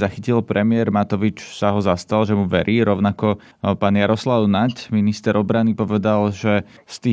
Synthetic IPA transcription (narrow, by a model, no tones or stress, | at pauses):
axicilpɾʔɛmɪɛɾmat̪ɔʋit͡ʃsaɦɔzast̪alʒɛmuʋɛɾʔiːɾɔʊnakɔ | paːnjaɾɔslaʊnacminist̪ɛɾɔbɾanipɔʋɛd̪alʒɛ | st̪iː